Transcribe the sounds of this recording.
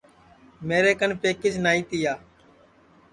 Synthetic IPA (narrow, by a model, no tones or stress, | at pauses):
meːɾeːkənpeːkɪsnaːiːt̪iːaː